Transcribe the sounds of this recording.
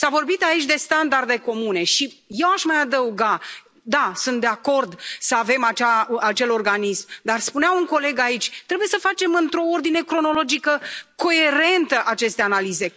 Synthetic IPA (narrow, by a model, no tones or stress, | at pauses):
savo̞rbit̪ait͡ʃʲd̪e̞st̪and̪ard̪e̞ko̞mune̞ʃije̞waʃmajad̪əuɡa | d̪asunt̪̚d̪e̞ako̞rd̪səave̞mat͡ʃaat͡ʃe̞lo̞rɡanismd̪arspuneauŋko̞le̞ɡait͡ʃʲt̪ɾe̞buje̞səfat͡ʃe̞mɨnt̪ɾo̞ord̪ine̞kɾo̞no̞lo̞d͡ʒikəko̞e̞ɾe̞nt̪əʔat͡ʃe̞st̪e̞analize̞